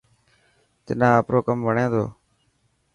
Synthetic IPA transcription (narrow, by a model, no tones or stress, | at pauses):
t̪ɪ̰nãːəpɾoːkəmʋəɳẽːd̪o̰ː